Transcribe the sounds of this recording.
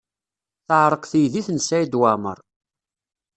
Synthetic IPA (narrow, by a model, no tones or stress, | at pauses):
θəʕɾˤəqθijðiθənsæjid̪wamə̰ɾˤ